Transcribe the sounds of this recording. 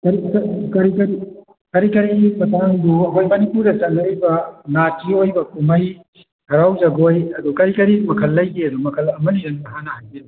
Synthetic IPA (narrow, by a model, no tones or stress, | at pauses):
kɐɾikɐkɐɾikɐɾi | kɐɾikɐɾimɐtaŋduɐɦojmɐnipuɾdɐt͡ʃɐŋɐɾibɐnatiojbɐkumɐj | hɐɾawd͡ʒɐɡojɐdukɐɾikɐɾimɐkʰɐlːɐjɡeɐdumɐkʰɐlɐmɐniɾɐndɐɦanɐhajbe